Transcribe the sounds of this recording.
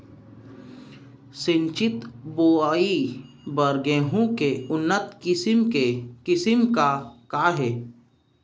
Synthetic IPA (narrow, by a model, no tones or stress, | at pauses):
sɪ̃ɲt͡ʃɪt̪boːaːi | bəɾɡeːɦõkeʊnːət̪ɪsmkekɪsɪmkakaɦɛː